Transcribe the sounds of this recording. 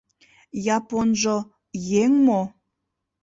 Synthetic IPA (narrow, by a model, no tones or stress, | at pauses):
jɑponʒo | jeŋmo